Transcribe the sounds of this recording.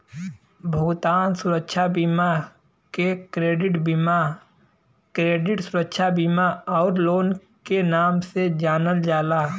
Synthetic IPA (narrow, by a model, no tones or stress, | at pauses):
bʱəɡt̪aːnsʊɾəkʃʰabima | kekɾeːɖɪʈbima | kɾeːɖɪʈsʊɾəkʃʰabimaɔːɾloːn | kenaːmsed͡ʒaːnəld͡ʒaːlaː